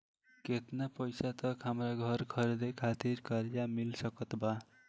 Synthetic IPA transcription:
ket̪napʌjsat̪ʌkɦamɾaɡʱʌɾkʰʌɾed̪ekʰat̪iɾkʌɾjamilsʌkʌt̪ba

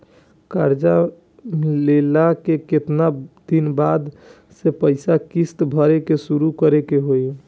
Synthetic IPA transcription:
kaɾd͡ʒa | lelakeket̪nad̪̥inbad̪ | sepəɪsakist̪bʱəɾekesuɾukəɾekeɦoj

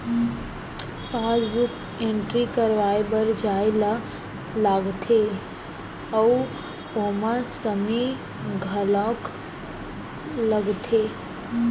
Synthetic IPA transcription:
pad͡ʒbuk | eɳʈɾikəɾʋajbəɾd͡ʒaela | laɡt̪ʰe | ə | omãsəme | ɡʱəlɔ̃k | ləɡt̪ʰe

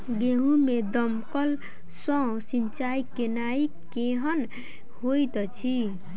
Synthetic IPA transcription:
ɡeɦũmed̪əmkəl | sɔ̃ | sint͡ʃaikenaikeɦən | hojt̪t͡ʃʰi

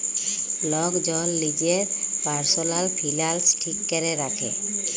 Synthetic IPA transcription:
lɔɡd͡ʒɔlːid͡ʒɛɹpaɹsɔlalpʰilalsʈʰikːɛɾɛɾakʰɛ̰

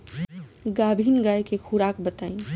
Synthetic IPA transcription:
ɡabʱinɡajkekʰuɾakbət̪aĩ

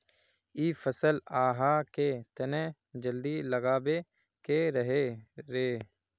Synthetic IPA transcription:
iːfʰəsəlaːɦaket̪ənẽ | d͡ʒəld̪iləɡaːbe | keɾəɦeɾeː

